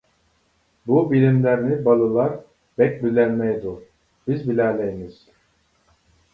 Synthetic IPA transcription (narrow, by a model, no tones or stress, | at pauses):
bubilʲimlʲæɾinibalˠɯlˠaɾ | bɛc̚ʲbylʲænmɛjd̪u | b̥izbilʲælʲejmiz̥